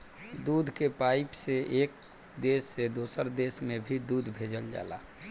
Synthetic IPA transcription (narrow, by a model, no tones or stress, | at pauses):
d̪ud̪ʱkepaɪpseʔek̚ | d̪esːed̪osəɾd̪esmebʱid̪ud̪ʱbʱed͡ʒəld͡ʒa̰ːla̰ː